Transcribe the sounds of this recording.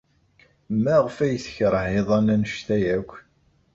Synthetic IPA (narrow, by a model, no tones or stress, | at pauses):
mːæʁfæjθə̥çɾˤheðˤɑnænəʃt̪æjækʷː